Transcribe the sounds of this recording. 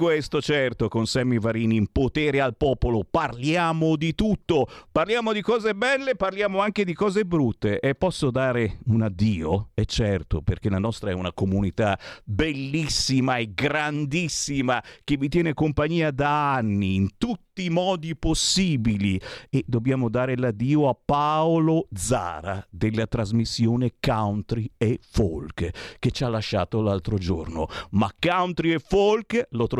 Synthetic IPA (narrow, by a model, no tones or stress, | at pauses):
kwest̪ot͡ʃɛrt̪okonsɛmivaɾiːniːmpot̪ɛːɾealpɔːpoloparljaːmod̪it̪ut̪ːoparljaːmod̪ikɔːzebɛlːeparljaːmoaŋked̪ikɔːzebɾut̪ːeʔepːɔsːod̪aːɾeunad̪ːiːoɛt͡ʃːɛrt̪operk̟elanɔst̪ɾaɛunakomunit̪abelːisːimaeɡɾand̪isːimak̟evːit̪jɛːnekompaɲːiːad̪aanːiːnt̪ut̪ːiːmɔːd̪iposːiːbilied̪objaːmod̪aːɾelad̪iːoapːaolod̪za̰ːɾad̪elːat̪ɾazmisːjoːnekawnt̪ɾiefo̰lkkːet͡ʃalːaʃːaːt̪olalt̪ɾod͡ʒo̰rno̰makːawnt̪ɾiefolklot̪ɾ